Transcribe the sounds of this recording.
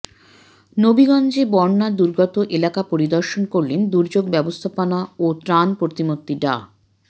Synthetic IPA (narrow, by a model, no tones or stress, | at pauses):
nobiɡɔnd͡ʑebɔɾnad̪uɾɡɔt̪oʔelakapoɾid̪ɔɾʃonkoɾlend̪uɾd͡ʑoɡbɛbost̪ʰapanaot̪ɾanpoɾt̪imot̪ːiɖa̰